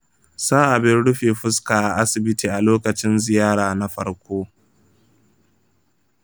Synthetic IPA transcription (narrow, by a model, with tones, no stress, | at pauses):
saː˦ʔa˨bɪ˦nɽʊ˦ɸeː˨ɸʊ˦skaː˨ʔa˨ʔa˦sɪ˨bɪ˦tiː˨ʔa˨loː˦kɐ˨t͡ʃɪ˦nzɪ˨jaː˦ɽaː˨na˦ɸɐ̰˦ɽkʷoː˦